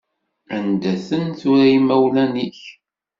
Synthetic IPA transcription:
ænd̪æθənθʊɾæjimæwlæniç

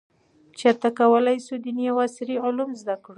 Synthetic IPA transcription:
t͡ʃaɾt̪akawəlajsud̪inijawasɪɾiʊlumzd̪akɽu

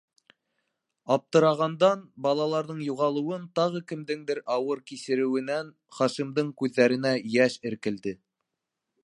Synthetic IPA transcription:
ɑp̚t̪ɤ̆ɾɑʁɑnd̪ɑnbɑlˠɑlˠɑɾðɤɴjuʁɑlˠɤ̆wɤnt̪ɑʁɤkɘ̆md̪ɘŋd̪ɘɾʔɑwɤɾkisɘ̆ɾɘ̆wɘ̆næn | χɑʃimd̪ɤɴkʉðːæɾɘ̆næjæʃɘ̆ɾkɘ̆ld̪ɘ

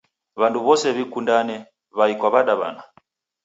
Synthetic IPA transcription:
βanduβɔsɛβikundanɛ | βaikwaβaɗaβa̰na

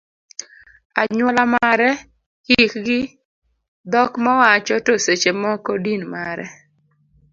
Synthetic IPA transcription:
aɲwɔlamaɾɛ | hikɡɪ | d̪ɔkmawat͡ʃɔtoset͡ʃemɔkɔdinmaɾɛ

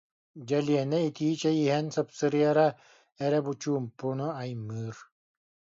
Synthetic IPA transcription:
d͡ʑɛliɛnɛit̪iːt͡ɕɛjiɦɛnsɯpsɯɾɯjaɾa | ɛɾɛbut͡ɕuːmpːunuajmɯːɾ

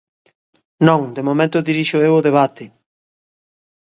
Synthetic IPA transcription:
nõŋd̪emomẽnt̪ʊd̪iɾiʃʊewʊðeβ̞at̪ɪ

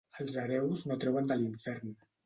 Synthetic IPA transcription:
əlˠzəɾɛwznot̪ɾɛwənd̪əliɱfɛɾn

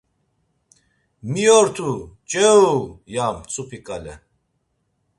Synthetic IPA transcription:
miɔɾt̪ʰut͡ʃʼɛujamt͡sʰʼupʰikʼalɛ̰

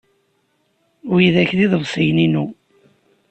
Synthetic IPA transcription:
wijðæçðiðˤəvsˤəjninu

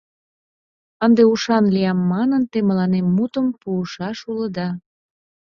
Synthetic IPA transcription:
ənd̪euʃɑnliɑmːɑnənt̪emə̆lɑnemːut̪əmpuːʃɑʃuləd̪ɑ

